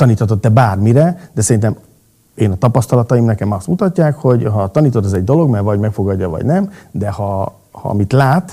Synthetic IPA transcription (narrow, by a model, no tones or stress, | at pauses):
t̪ɒniːt̪hɒt̪o̞t̪ːɛbaːrmiɾɛd̪ɛsɛɾint̪ɛm | eːnɒt̪ɒpɒst̪ɒlɒt̪ɒimnɛkɛmɒst̪mut̪ɒcːaːkho̞ɟɦɒt̪ɒniːt̪ot̪ɛzɛɟd̪o̞lo̞ɡmɛrvɒɟmɛkfo̞ɡɒɟːɒvɒ̰ɟnɛmd̪ɛhɒ | hɒ̰mit̪laːt̪